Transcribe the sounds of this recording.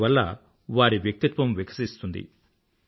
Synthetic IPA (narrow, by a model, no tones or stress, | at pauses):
ʋɐlːɐ̰ | ʋaːɾiʋjɐk̚t̪it̪ʋɐmʋikʰɐ̥sist̪und̪ḭ